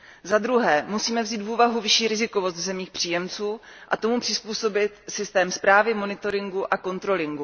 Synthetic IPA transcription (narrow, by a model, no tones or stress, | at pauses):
zad̪ɾuɦɛːmusiːmɛvziːt̪vuːvaɦuvɪʃiːɾɪzɪko̞vost̪vzɛmɲiːxpr̝̥iːjɛmt͡suːʔat̪o̞mupr̝̥ɪspuːso̞bɪt̪sɪst̪ɛːmspɾaːvɪmo̞nɪt̪o̞ɾɪŋɡuʔako̞nt̪ɾo̞lɪŋɡu